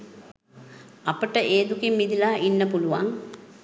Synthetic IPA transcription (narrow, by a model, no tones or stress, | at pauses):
ɐpəʈəʔeːd̪ukimːid̪ilaːʔinːəpuluʋaŋ